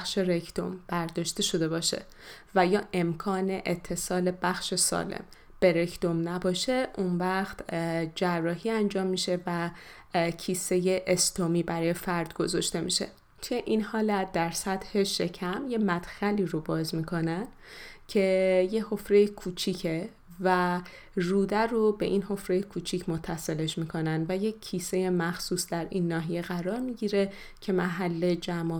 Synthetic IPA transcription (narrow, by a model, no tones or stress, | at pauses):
xʃe̞ɾekʰd̪̥o̰mb̥æɾd̪ɒːʃt̪e̞ʃo̞d̪e̞bɒːʃe̞̰ | væjɒːʔe̞mkʰɒːne̞ʔet̪ʰːe̞sɒːle̞bæxʃe̞sɒ̰ːlḛm | b̥e̞ɾekʰd̪o̞mnæbɒːʃe̞ʔunvæxt̪d͡ʒærːɒːɦiːænd͡ʒɒːmːiʃe̞væ | cʰisejeʔest̪omiːbæɾɒːjefæɾd̪̥ɡ̥o̞zɒʃt̪e̞mḭʃe̞̰ | t̪ʰujeʔinhɒːlæt̪̚d̪æɾsæt̪he̞ʃe̞cʰæmje̞mæd̪̥xæliːɾobɒːzmiːkʰo̞næn | cʰe̞je̞ho̞fɾejekʰuːt͡ʃʰicʰe | væ | ruːd̪æɾobe̞̰ʔinho̞fɾejekʰuːt͡ʃʰicʰmo̞t̪ʰːæse̞leʃmiːkʰo̞nænd̪væje̞cʰːise̞je̞mæxsuːsd̪æɾʔinːɒːɦije̞ɣæɾɒːɾmiɟiːɾe̞ | cʰe̞mæɦælːe̞d͡ʒæmɒː